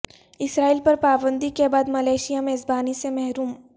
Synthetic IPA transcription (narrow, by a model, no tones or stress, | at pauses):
ɪsɾaːiːlpɐɾpaːbə̃nd̪ikebaːd̪mɐlaːʃijameːzbaːnisemɛɦɾuːm